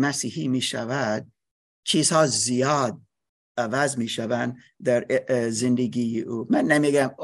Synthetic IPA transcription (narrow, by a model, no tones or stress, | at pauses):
mæsiːhiːmiːʃævæd̪̚ | t͡ʃʰiːz̥hɑːzijɑːd̪̚ | ævæzmiːʃævæn | d̪æɾzend̪eɡijeʔuːmænːemiɡæm